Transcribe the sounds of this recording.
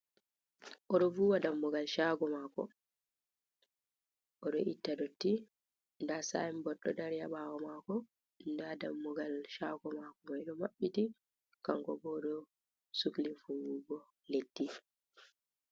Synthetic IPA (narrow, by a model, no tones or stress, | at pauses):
ʔɔɗɔvuːwadamːuɡalʃaːɡɔmaːkɔ̰ | ʔɔɗɔ̰ʔitːadotːi | ndasa̰jimbɔɗːɔdaɾjaɓaːwɔmaːkɔ | ndadamːuɡalʃaːɡɔmakɔmajɗɔmaɓːiti | kaŋkɔbɔɗɔ | suklifuwuɡɔ | letːi